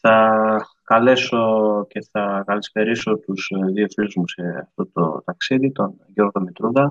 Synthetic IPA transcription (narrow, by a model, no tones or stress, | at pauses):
θɐ | kɐle̞so̞ce̞θɐkɐlisp̪e̞ɾiso̞t̪uz̥ðiofiluzmuseɐ̰ft̪o̞t̪o̰t̪ɐksiðit̪o̞nʝo̞ɾɣo̞mit̪ɾuðɐ